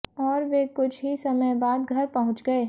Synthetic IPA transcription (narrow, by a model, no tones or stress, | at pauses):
ɔːɾʋekʊt͡ʃʰɦisɐməjbaːd̪ɡʱɐɾpɐɦʊ̃t͡ʃɡɐe